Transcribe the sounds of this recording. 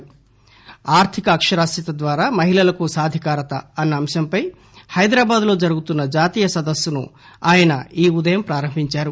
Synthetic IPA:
aːɾt̪ʰikɐːkʂɐɾaːsit̪ɐd̪ʋaːɾaːmɐɦilɐlɐkusaːd̪ʱikaːɾɐt̪ɐɐnːɐːmʃɐmpɐj | hɐjd̪ɾaːbaːd̪lo̞ːd͡ʒɐɾuɡut̪unːɐd͡ʒaːt̪iːjɐsɐd̪ɐsːunṵ | aːjɐnɐiːud̪ɐjɐmpɾaːɾɐmbʱiɲt͡ʃaːɾu

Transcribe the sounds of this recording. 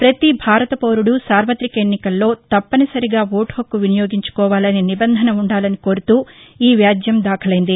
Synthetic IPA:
pɾɐt̪ibʱaːɾɐt̪ɐpoːɾuɽusaːɾʋɐt̪ɾikɐenːikɐlːo̞ːt̪ɐpːɐnisɐɾiɡaːʋoːʈhokːuʋinɐjoːɡiɲt͡ʃu̥kɔːʋaːlɐninibɐnd̪ʱɐnɐuɳɖaːlɐniko̞ːɾut̪uːiːʋjaːd̪jɐmd̪aːkʰɐlɐjind̪i

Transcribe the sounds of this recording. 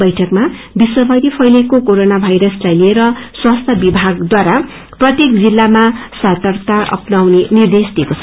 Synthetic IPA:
bʌjʈʰʌkma | biswʌbʱʌjɾipʰʌjlekokoɾonabʱajɾʌslajlieɾʌswast̪ʰʌbibʱaɡd̪waɾa | prʌt̪jekd͡zilːamasat̪ʌrt̪aʔʌ̰pnawnenird̪esd̪ʱiekot͡sʰʌ

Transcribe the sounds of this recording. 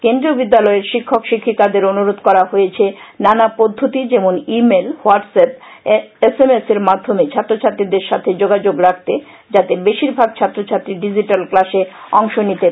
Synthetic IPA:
kend̪ɾiobid̪ːalɔeɾʃikʰːokʃikʰːikad̪eɾonuɾod̪kɔɾaɦojet͡ɕʰenanapod̪ʱːot̪id͡ʑemonimelwaʈsep̚esemeseɾmad̪ʱːomet͡ɕʰat̪ːɾot͡ɕʰat̪ːɾid̪eɾʃat̪ʰed͡ʑoɡad͡ʑoɡɾak̚ʰt̪e | d͡ʑat̪ebeʃiɾbʱaɡ̚t͡ɕʰat̪ːɾot͡ɕʰat̪ːɾiɖid͡ʑiʈalklaʃeɔŋʃonit̪e

